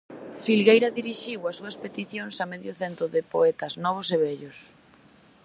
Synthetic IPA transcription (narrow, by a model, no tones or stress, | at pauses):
filɣejɾɐðiɾiʃiwɐsuɐspet̪iθjoŋsameðjʊθent̪ɾʊðɪpoɛt̪ɐznɔβ̞oseβɛʎʊs